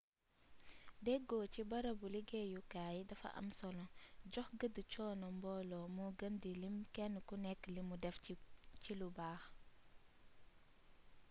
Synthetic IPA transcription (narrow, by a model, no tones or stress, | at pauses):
dɛɡɔːcibɐɾɐbuliɡɛjukaːjidɐfɐ̰ʔɐ̰msɔlɔɟɔxɡədut͡ʃɔːnɔmbɔlɔmuɡɐndilimkɛnkunɛkːlimudɛfcilubaːx